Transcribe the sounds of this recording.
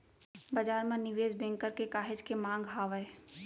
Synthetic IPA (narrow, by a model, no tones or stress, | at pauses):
bɐd͡ʒaːɾmẽnɪʋeːd͡ʒbɛ̃ːŋkəɾkekaːɦɪd͡ʒkemãːŋɡɦaːʋəe